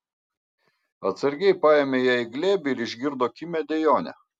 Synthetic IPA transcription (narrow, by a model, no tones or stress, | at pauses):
ɐt̪sɐɾʲɡʲɛɪpɑːjeːmʲeːjæːɪɡlʲeːbʲɪɪɾɪʒʲɡʲɪɾd̪oːkʲɪmʲɛd̪ʲɛjoːnʲɛ̰